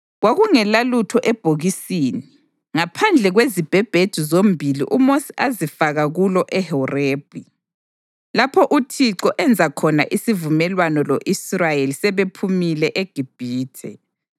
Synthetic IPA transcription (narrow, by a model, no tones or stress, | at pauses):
ɣwaɣuŋɛlalutʰɔʔɛb̥ʱoɣisiːni | ŋapʰand͡ɮʱɛɣwezib̥ʱɛb̥ʱed̥ʱuzombʱilḭʔumosi̥ʔazifaɣaɣulɔʔɛhɛreːb̥ʱi | lapʰɔʔutʰiǀɔʔɛnd͡zʱakʰɔna̰ʔisivumɛlwanɔloʔisrajelisɛβepʰumilɛʔeɡ̥ʱib̥ʱiːtʰɛ